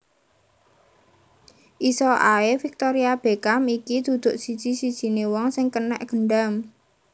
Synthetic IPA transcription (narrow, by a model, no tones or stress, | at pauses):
ʔisɔʔaefik̚t̪ɔɾiab̥e̤kamikid̪̥ṳd̪̥ʊ̤ʔsid̥ʒ̥i̤sid̥ʒ̥i̤newɔŋsɪŋkənɛʔɡ̥əɳɖam